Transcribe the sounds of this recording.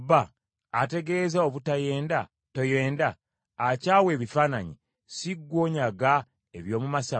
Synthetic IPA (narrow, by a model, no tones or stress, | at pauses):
baː | te̞ɡe̞zaoβutaje̞ːnda | to̞je̞ːndaː | caːwe̞ːβifaːnaɲi | siɡːwo̞ːɲaɡa | eβjo̞ːmumasa